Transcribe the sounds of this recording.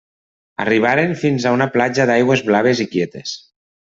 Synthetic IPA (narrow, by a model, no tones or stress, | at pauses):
a̰riβ̞aɾeɱfinzaunaplad͡ʒaðajɣwezβlaβ̞ezikjet̪es